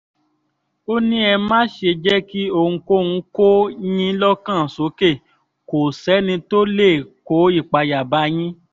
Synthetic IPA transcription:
o˦nĩ˦ɛ˧mãː˦ʃe˧d͡ʒɛ˦ki˦o˧ŋũ˧ko˦ŋũ˧˦ko˦jĩ˦lɔ˦kã˦˨so˨˦ke˦˨ | ko˨sɛ˨˦nĩ˧to˦le˦˨ko˨˦i˦˨k͡pa˧ja˨ba˨˦j̃ĩ˦

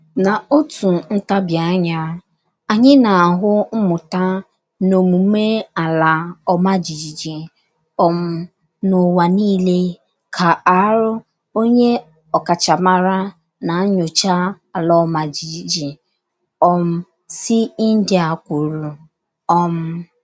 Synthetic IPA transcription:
na˨o˦tu˨n̩˦ta˦bja˨˦ɲa˦ | a˨ɲɪ˦na˨a˨ɦʊ˦m̩˦mʊ˨ta˦ | no˨mu˨˦me˦a˨la˨ɔ˦ma˦d͡ʒi˨d͡ʒi˨d͡ʒi˨ | ɔ˦m̩˦ | nʊ˨wa˨niː˦le˦ | kʰa˨a˨˦ɾʊ˦ | o˦ɲe˦ | ɔ˨ka˨t͡ʃa˨ma˦ɾa˦ | na˨˦ɲʊ˨t͡ʃa˦ | a˨lɔ˦ma˨d͡ʒi˨d͡ʒi˨d͡ʒi˨ | ɔ˦m̩˦ | si˦n̩˦dɪ˦a˨kʷo˨ɾu˨ | ɔ˦m̩˦

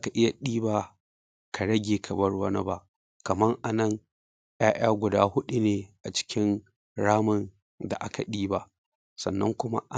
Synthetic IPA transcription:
a˦ka˨ʔɪ˦ja˨ɗiː˦baː˨ | kʰa˨ɽɐ˦ɡʲeː˨kʰɐ˨bɐ˦rwɐ˦nɐ˦ba˦ʔ | kɐ˨mɐ˦ŋʔa˨nɐ˦ŋ | jaː˦ʔʲaː˦ɡʷʊ˨daː˦hʊ˦ɗu˨neː˨ʔa˨t͡ʃɪ̥˦kʲɪ˦n | ɽaː˦mɐ˨n | da̰˨ʔa˦ka˨ɗiː˦baː˨ | sɐ˨nːɐ˦ŋkʷʊ˦ma̰˦ʔ

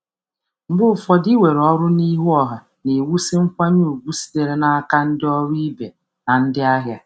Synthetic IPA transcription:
m̩˦bʊ˦˨fɔ˦dɪ˦we˨ɾɔ˦ɾʊ˦ni˦ɦu˦ɔ˦˨ɦa˨ | ne˨wu˦si˦ŋ̩˦kʷa˦ɲu˦˨ɡ͡bu˦si̥˨de˨ɾe˦na˦a˦ka˦n̩˦dɪ˦ɔ˦ɾi˦be˨ | na˨n̩˦dɪ˦a˦ɦja˦

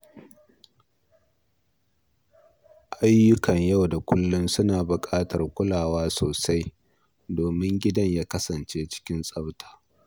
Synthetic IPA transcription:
ʔa˦jːʊ˦kɐ˨ɲjɐ˦wda˨kʷʊ˦lːʊ˦nsʊ˦naː˨bʊ˨kʼaː˦tɐ˨rkʷʊ˦laː˨waː˦soː˨sa˦j | doː˨mɪ˦ŋɡʲɪ˦dɐ˦ɲjaː˦kɐ˦sɐ˨nt͡ʃeː˦t͡ʃɪ̥˦kʲɪ˦nsʼɐ˦wtʰḁː˨

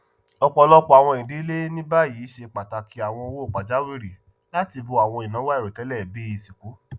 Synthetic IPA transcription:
ɔ˧k͡pɔ˧lɔ˦kɔ˦a˨w̃ɔ̃˧˨ĩ˨di˨˦le˦nĩ˦ba˦˨jiː˨˦ʃe˧k͡pa˨ta˧kʰi˨˦a˨w̃ɔ̃˧o˧wo˦˨k͡pa˨d͡ʒa˦wi˦ɾi˨ | la˦ti˧bu˧a˨w̃ɔ̃˧i˨nã˨˦wa˦i˦˨ɾe˨tɛ˨˦lɛ˦˨be˦i˧si˨ku˨˦

